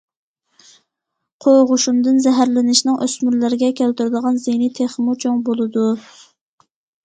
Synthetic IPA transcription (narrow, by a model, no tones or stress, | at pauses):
qʰoʁʊʃumd̪ɨnzɛɦæɾlɪnɪʃnɨŋʔøsmyɾlɪɾɪɡʲɛkʲʰælt̪yɾɪd̪əʁɑnzenit̪ʰeχmut͡ʃʰoŋbolˠɨd̪u